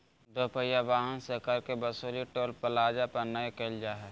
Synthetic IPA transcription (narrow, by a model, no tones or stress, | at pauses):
d̪oːpəjaʋaːɦənsekɐɾkebəsoːliʈoːlpəlaːd͡ʒapəɾnəekeld͡ʒaːɦɛː